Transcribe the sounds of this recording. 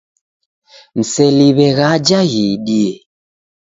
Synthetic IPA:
n̩sɛliβɛɣad͡ʒaɣiɗiɛ

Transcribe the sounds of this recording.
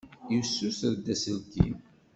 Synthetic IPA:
jusːusəɾd̪æsəlkḭm

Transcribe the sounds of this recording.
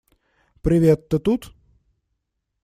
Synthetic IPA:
pɾʲɪʋʲet̪ːət̪ut̪

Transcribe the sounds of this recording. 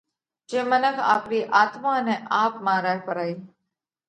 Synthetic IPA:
d͡ʒẽːmənəkʰa̰ːpɾiːʔaːt̪mãːneːʔaːpmãːɾaːɦpəɾaːiː

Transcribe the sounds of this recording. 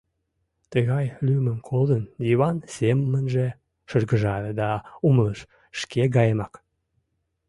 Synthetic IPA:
t̪əɣɑjlyməmkʰold̪ənjiβɑnseməmənʒe | ʃərɣəʒɑɾəd̪ɑumləʃ | ʃkeɡɑjemɑk

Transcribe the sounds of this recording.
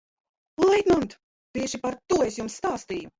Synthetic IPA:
lˠɛjt̪nɔnt̪ | t̪iɛʃipaɾt̪uɔesjumsːt̪aːst̪iːju

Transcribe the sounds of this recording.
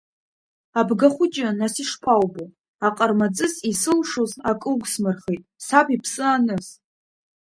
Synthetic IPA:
abɡaχʷʊd͡ʒʼanasiʂpʷʰawbu | aqʼərmad͡zʼɨzisɨlʂozakʼɨlɡʷsmɨrχejtʼsapʰʼipʰsɨanɨz

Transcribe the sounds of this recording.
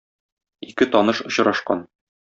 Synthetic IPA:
ikɘt̪ɒnɤʃŏɕɾɑʃqɑ̰n

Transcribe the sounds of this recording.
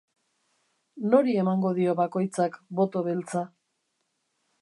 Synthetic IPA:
no̞ɾie̞maŋɡo̞ðio̞βako̞jt͡sakbo̞t̪o̞βelt͡sa

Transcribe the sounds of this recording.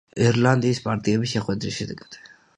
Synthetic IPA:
iɾland̪iːspʼaɾt̪ʼiɛbisʃɛχwɛd̪ɾisʃɛd̪ɛɡad̪̥

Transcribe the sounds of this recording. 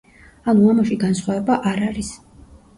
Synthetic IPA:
anuamaʃiɡansχwavɛbaʔaɾaɾis

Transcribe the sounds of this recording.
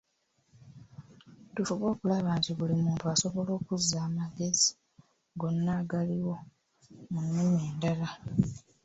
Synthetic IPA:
tufuβo̞ːkulaβaːntiβulimuːntuaso̞βo̞lo̞ːkuzaːmaɡe̞zi̥ | ɡo̞nːaɡaliwo̞ | munːemeːndala

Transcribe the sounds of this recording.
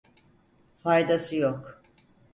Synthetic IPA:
fajd̪asɯjok

